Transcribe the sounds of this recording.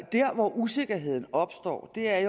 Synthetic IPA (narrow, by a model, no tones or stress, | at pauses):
d̥æɐ̰ʋɒʔuse̝ɡ̥ɐɦe̝ð̞̰ˠn̩ɒ̽b̥sd̥ɒ̰ːd̥e̝æɐj